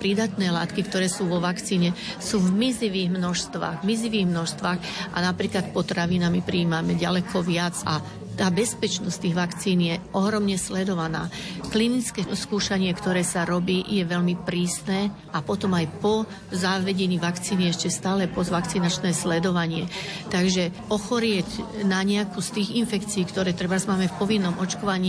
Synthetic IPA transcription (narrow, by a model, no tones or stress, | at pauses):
pɾid̪at̪nɛːla̰ːt̪kikt̪ɔɾɛːsuːʋɔʋakt͡siːɲɛsuːvmiziʋiːɣmnɔʃst̪ʋa̰ːɣmiziʋiːɣmnɔʃst̪ʋaːxʔa̰napɾiːklat̪̚pɔt̪ɾaʋiːnamipɾiːmamɛɟalɛkʰɔʋɪad͡za | t̪aːbɛspɛt͡ʃnɔst̪iːɣʋakt͡siːnjɛɔɦɾɔmɲɛslɛd̪ɔʋana̰ːklinit͡skɛːskuːʃaɲɪɛkt̪ɔɾɛːsaɾɔbiːjɛʋɛʎmipɾiːsnɛː | apɔt̪ɔmajpɔ | zaʋɛɟɛɲiʋakt͡siːniɛʃcɛst̪aːlɛpɔzʋak̚t͡sinat͡ʃnɛːslɛd̪ɔʋaɲɪɛt̪aɡʒɛ | ɔxɔɾɪɛcnaɲɛakuːst̪iːɣinfɛkt͡siːkt̪ɔɾɛːt̪ɾɛbazmaːmɛfpɔʋinːɔmʔɔt͡ʃkɔʋaɲiː